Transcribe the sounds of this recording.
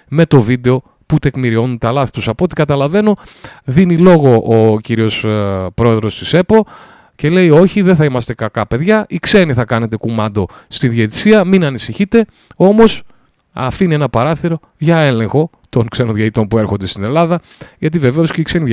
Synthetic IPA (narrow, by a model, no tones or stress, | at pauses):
me̞t̪o̞vid̪eo̞ | put̪e̞kmiɾio̞nunt̪ɐlɐθi̥t̪usɐpo̞t̪i̥kɐt̪ɐlɐve̞no̞ | ðinilo̞ɣo̞ʔːciɾio̞spɾo̞e̞ðɾo̞st̪ise̞po̞ | ce̞le̞jo̞çiðeθɐimɐst̪e̞kɐkɐpe̞ðʝɐʔikse̞niθɐkɐne̞t̪e̞kumɐnd̪o̞ | st̪iðjet̪i̥siɐminɐnisiçit̪e̞ | o̞mo̞s | ɐfinenɐpɐɾɐθiɾo̞ | ʝɐe̞lẽ̞ŋxo̞ | t̪o̞ŋkse̞noðʝɐit̪o̞npue̞ɾxo̞nd̪e̞st̪ine̞lɐðɐ | ʝɐt̪ive̞ve̞osceikseni